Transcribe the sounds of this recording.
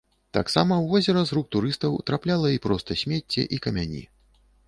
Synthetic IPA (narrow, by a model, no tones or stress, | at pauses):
t̪a̰ksamɐwvɔzʲɛɾɐzɾuk̚t̪uɾɨst̪ɐwt̪ɾaplʲalˠɐipɾɔst̪ɐsʲmʲet͡sʲːɛ̰ʔikɐmʲanʲḭ